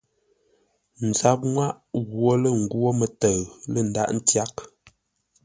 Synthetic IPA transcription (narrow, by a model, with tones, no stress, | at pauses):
n̩˨za˦p̚ŋwa˦ʔ | ɣwo˦lə˦˨ŋ̩˨ɡwo˦mə˨tə˨ɰlə˦˨n̩˨da̰˦ʔn̩˦tja˦k